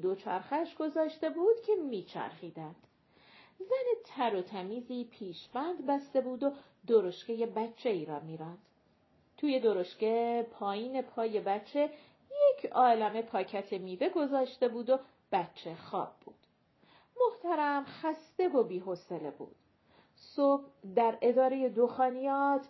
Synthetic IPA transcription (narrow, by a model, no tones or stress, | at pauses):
d̪o̞t͡ʃʰæɾxæʃɡ̥o̞zɒːʃt̪e̞buːd̪̥cʰe̞miːt͡ʃʰæ̰ɾχiːd̪ænd̪̥ | zænet̪ʰæɾot̪ʰæmiːziːpʰiːʃbænd̪bæst̪e̞buːd̪o | d̪oɾo̞ʃcejebæt͡ʃʰːe̞iːɾɒːmiːɾæːnd̪̥ | t̪ʰuːje̞d̪o̞ɾo̞ʃce̞pʰɒːjiːne̞pʰɒːje̞bæt͡ʃʰːe̞ | je̞cʰɒːlæme̞pʰɒːcʰæt̪ʰe̞miːve̞ɡo̞zɒːʃt̪e̞buːd̪o̞ | b̥æt͡ʃʰːe̞xɒ̰ːb̚ːuːd̪̥ | mo̞ht̪æɾæmxæst̪e̞vo̞biːɦo̞sele̞bṵːd̪̥ | sob̥̚d̪æɾe̞d̪ɒːɾe̞je̞d̪oxɒːnijɒːt̪ʰ